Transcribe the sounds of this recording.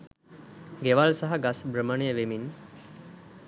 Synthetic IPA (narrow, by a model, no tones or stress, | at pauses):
ɡeʋalsaɦaɡasbɾəməɳejəʋemin